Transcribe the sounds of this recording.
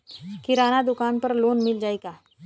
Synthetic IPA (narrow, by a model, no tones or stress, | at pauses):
kiɾaːnad̪ʊkaːnpɐɾloːnmɪld͡ʒaːeːɡaː